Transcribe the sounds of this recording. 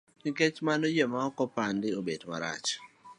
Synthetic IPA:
nɪket͡ʃmanojɛmaɔkɔpandɪobedma̰ɾa̰t͡ʃ

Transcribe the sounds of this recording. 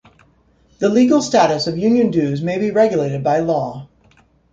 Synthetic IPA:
ðəliɡl̩ˠstæɾɨsʌvjʉ̃njɨ̃ndʉzmeɪbiɹɛɡjəleɪɾɨd̚baɪlɔ

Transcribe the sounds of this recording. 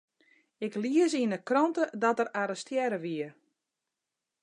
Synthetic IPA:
ɪkliəsiənəkrɔntədɔtəɾaɾəstjɛɾəʋiər

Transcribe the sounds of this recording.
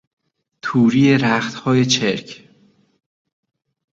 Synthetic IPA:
t̪ʰuːɾiːeɾæxt̪hɒːjet͡ʃʰeɾcʰ

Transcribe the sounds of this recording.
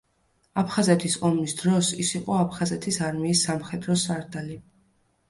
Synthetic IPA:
apʰχazɛt̪ʰisɔmisd̪ɾɔsisiqʼɔapʰχazɛt̪ʰisaɾmiːsːamχɛd̪ɾɔsaɾd̪ali

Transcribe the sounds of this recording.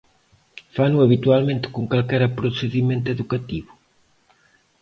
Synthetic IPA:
fanʊɐβit̪ualmẽnt̪ɪ̥koŋkalkɛɾɐpɾosɪðimẽnt̪eðukat̪iβʊ

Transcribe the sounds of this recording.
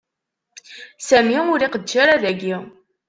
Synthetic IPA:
sæmiʊɾiqədʒaɾaðæɡi

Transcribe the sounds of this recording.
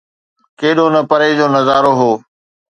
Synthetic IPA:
keːɗoːnɐpɐɾed͡ʑoːnɐzaːɾoːɦoː

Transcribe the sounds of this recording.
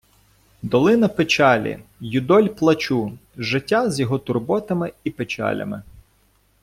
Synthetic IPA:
d̪ɔlˠɪnɐpɪt͡ʃɑlʲḭjʊd̪ɔlʲplˠɐt͡ʃuʒɪtʲːazʲjɔɦɔt̪ʊrbɔt̪ɐmɪipet͡ʃɑ̰lʲɐ̰mɪ̰

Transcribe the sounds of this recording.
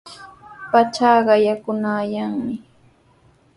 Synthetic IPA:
pat͡ʃaːɢɑjakʊnaːjaŋmɪ

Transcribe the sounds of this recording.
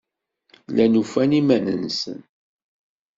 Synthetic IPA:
lænufænimænənsə̰n

